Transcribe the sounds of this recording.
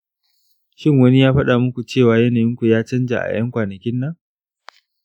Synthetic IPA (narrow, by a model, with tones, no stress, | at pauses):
ʃɪ˦˨ŋwɐ˦ni˦jaː˦ɸɐ˦ɗa˨mʊ˦kʷu˨t͡ʃeː˦˨waː˨jɐ˦naː˨jɪ˦ŋkʷu˨jaː˦t͡ʃɐ˦nd͡ʒa̰ː˨ʔa̰˨j̰ɐ˦ŋkʷaː˨nɐ˨kʲɪ˦nːɐ˦ŋ